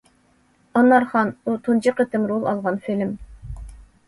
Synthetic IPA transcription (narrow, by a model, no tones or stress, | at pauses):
ɑnːɑɾχɑnut̪ʰund͡ʒiqət̪ɪmɾolˠɑlˠʁɑnfilm